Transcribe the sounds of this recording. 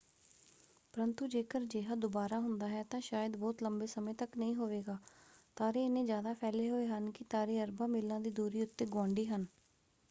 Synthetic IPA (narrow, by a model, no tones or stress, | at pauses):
pəɾənt̪uːd͡ʒeːkəɾd͡ʒeːɦaːd̪ʊbaːɾaːɦʊnd̪aːɦɛːt̪ãːʃaːjəd̪bɔːt̪ləmbeːsəmẽːt̪əknəĩːɦoːʋeːɡaːt̪aːɾeːɪnẽːzjaːd̪aːpʰɛːleːɦoːeːɦənkɪt̪aːɾeːəɾbãːmɪlːãːd̪iːd̪uːɾiːʊt̪ːeːɡɔ̃ːɳɖiːɦən